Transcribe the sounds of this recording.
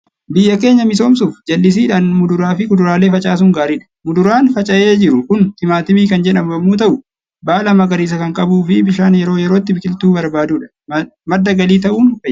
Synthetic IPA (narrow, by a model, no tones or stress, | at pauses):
bɪjːɐke̞ːɲːɐmɪs̬o̞ːmsʊfd͡ʒɐlːɪs̬iːᶑaːnmʊd̪ʊɾaːfɪkʊd̪ʊɾaːleːfɐt͡ʃʼaːs̬ʊŋɡaːɾɪᶑɐ̥mʊd̪ʊɾaːnfɐt͡ʃʼɐʔeːd͡ʒɪɾʊkʊnh̪ɪmaːt̪ɪmiːkɐnd͡ʒɛᶑɐmɐmːuːt̪̬ɐʔʊ | baːlɐmɐɡɐɾiːs̬ɐkɐŋkʼɐbuːfɪbɪʃaːnjɛɾo̞ːjɛɾoːt̪ːɪbɪkʼɪlt̪uːbɐɾbaːd̪uːᶑɐ̥ | mɐd̪ːɐɡɐliːt̪ɐʔuːnfɐ